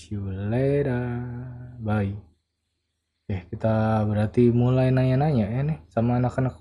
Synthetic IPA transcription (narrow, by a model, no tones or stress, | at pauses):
iuleda | bai | jahkit̪abəɾart̪imulajnaɲanaɲajanɛhsamaːnakanak